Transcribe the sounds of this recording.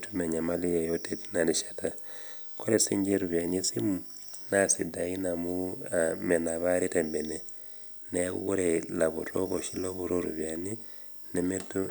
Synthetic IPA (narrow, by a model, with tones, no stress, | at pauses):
tʰume˨ɲama˦li˦je˨jotetna˨ni˨ʃḁta˨ | ko˦ɾesi˦ɲd͡ʒe˦ɾuβja˨nisi˦munasi˨da˨i˦namu˦ame˨na˨βaɾi˦tembe˨ne | nḛɣu˦ɾela˨βu˨ɾo˦ko˨ʃi˦lo˦βuɾo˦ɾṵ˨βja˨ni˦ | nemetu˦